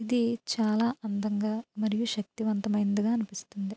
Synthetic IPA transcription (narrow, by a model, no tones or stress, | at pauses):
id̪it͡ʃaːlaːɐnd̪ɐŋɡaːmɐɾijuʃɐk̚t̪iʋɐnt̪ɐmɐjnd̪ɐɡaːɐnipist̪und̪i